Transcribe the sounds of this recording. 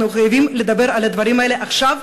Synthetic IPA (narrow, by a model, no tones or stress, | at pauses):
nuχajavimled̪abe̞ɾalad̪vaɾimaele̞ʔaχʃav